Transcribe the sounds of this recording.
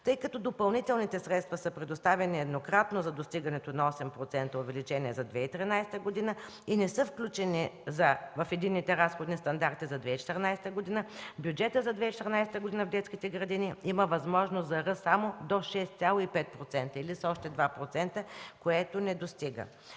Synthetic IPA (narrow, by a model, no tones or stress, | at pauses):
t̪ɤjkɐt̪ɔd̪opɐlˠnit̪ɛlˠnit̪ɛsɾɛt̪st̪vɐsəpɾɛd̪ost̪avɛniɛd̪nokɾat̪nozɐd̪ost̪iɡɐnɛt̪onɐɔsɛmpɾot̪sɛnt̪əovɛlit͡ʃɛniɛzɐd̪vɛit̪ɾinajsɛ̥t̪əɡod̪inə | inɛsɤfklʲut͡ʃɛnizɐvɐfɛd̪inːit̪ɛɾasxod̪nist̪ɐnd̪aɾt̪izɐd̪vɛit͡ʃɛ̥t̪əɾnajsɛ̥t̪əɡod̪inəbjud͡ʒɛt̪əzɐd̪vɛit͡ʃɛ̥t̪ɛɾnajsɛt̪əɡod̪inəvd̪ɛt̪skʲit̪ɛɡɾɐd̪iniiməvɐzmɔʒnost̪zɐɾɤsːamod̪oʃɛst̪sʲjalˠoipɛt̪̚pɾot̪sɛnt̪əilisɔʃt̪ɛd̪vapɾot̪sɛnt̪əkoɛt̪onɛd̪ost̪iɡə̰